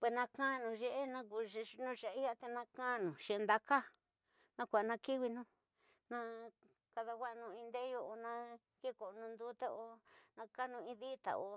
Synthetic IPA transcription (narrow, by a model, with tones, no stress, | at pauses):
pwe˧˨nã˧kã˦˧nũ˨ʒe˧ʔe˦nã˧ku˧˨˧nũ˦t͡ʃa˨i˦ja˦t̪e˧nã˧kã˦˧nũ˨ʃẽ˨˧nd̪a˧ka˦ | nã˧kʷa˨˧nã˧ki˦wi˧nũ˧ | nã˧ | ka˧ða˧ɡa˦ʔnũ˧ĩ˧nd̪e˦jo˧ʔo˧nã˧ | ki˦˨ko˨˧nũ˧nd̪u˦t̪a˦o˧nã˧ka˦nũ˧ĩ˧ði˦t̪a̰˨o̰˧